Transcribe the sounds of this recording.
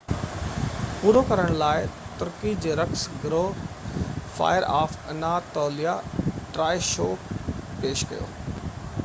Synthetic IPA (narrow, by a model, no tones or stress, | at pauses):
puːɾokɐɾəɽ̃laːɪt̪ʊɾkid͡ʑeːɾɐksɡɾoː | fa̰ːɪəɾaːfɐnat̪ɔːlijaʈɾaːʃoːkpeːʃkɐ̰jo̰ː